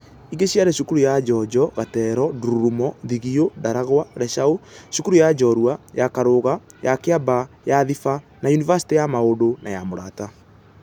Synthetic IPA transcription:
iɡeɕjaɾɛɕukuɾujad͡ʒɔd͡ʒɔɣatɛɾɔduɾuɾumɔðiɣiodaɾaɣwaɾɛʃaoɕukuɾujad͡ʒɔɾwajakaɾoɣajakeaba | jaðifa | najunivasi̥tejamaodonajamoɾata

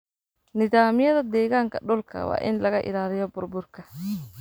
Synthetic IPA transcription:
nɪðaːmɪjɐðɐd̪ɛːɣaːŋkʰɐɖɔlkʰɐ̰wɑ̰ːʔɪnlɐɣɐʔɪ̰laːlɪjɔbʊrbʊrkʰɐ

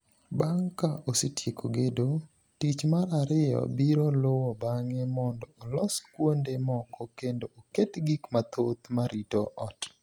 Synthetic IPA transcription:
baŋkaʔosetjekʰoɡedo | tit͡ʃmaɾaɾɪjɔ̰biɾolowɔbaŋemɔndɔːlɔskwondemɔkɔkendoʔoketɡikmat̪ʰot̪maɾitoʔɔt

